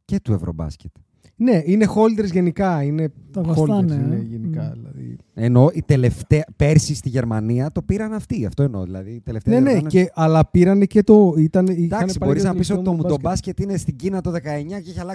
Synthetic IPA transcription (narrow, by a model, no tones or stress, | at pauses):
ce̞t̪ue̞vɾo̰bɐ̰scet̪ | ne̞ine̞xo̞ld̪eɾzʝe̞nikɐine̞olɾnsineʝenikɐ̰ðlɐ̰ðḭeno̞it̪e̞le̞ft̪eɐpe̞ɾsist̪iʝe̞ɾmɐniɐt̪o̞piɾɐnɐft̪iɐft̪o̞eno̞̰ðḭlɐ̰ðiːt̪eleft̪eenenceʔɐlɐpiɾɐnecet̪o̞it̪ɐnid̪ɐɐnssibɐo̞ɾiznɐpisso̞tit̪omud̪obɐsce̞t̪ine̞st̪iɟinɐt̪o̞ðe̞kɐe̞ɲɐceeçɐlɐ